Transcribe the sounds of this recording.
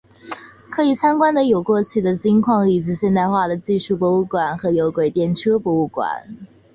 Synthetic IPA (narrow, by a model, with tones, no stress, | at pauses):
kʰɤ˧˥i˨˩sʰa˥nŋkwa˥nd̪ə˨jo˨˩ʊkwɔ˥˧t͡ɕʰy˥˩d̪ə˩t͡ɕi˥ŋkʰwɑ˥˩ŋli˨˩ʈ͡ʂɻ̩˧˥ɕjɛ˥˧nt̪a˥˧ɪxwa˥˩d̪ə˩t͡ɕi˥˧ʂu˥˩pwɔ˧˥u˥˩kwa˨˩˦nxɤ˧˥jo˧˥ʊkwe˨˩ɪt̪jɛ˥˩nʈ͡ʂʰɤ˥pwɔ˧˥u˥˩kwa̰˨˩˦n